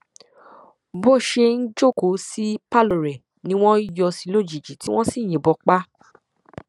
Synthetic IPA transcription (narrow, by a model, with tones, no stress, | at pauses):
bo˦˨ʃe˧n̩˦d͡ʒo˦˨ko˨˦si˦pa˦lo˨ɾɛ˨ | nĩ˧˦w̃ɔ̃˦i˦jɔ˧si˧˦lo˦˨d͡ʒi˨d͡ʒi˨ti˨˦w̃ɔ̃˦si˦˨j̃ĩ˨bɔ˧k͡pa˦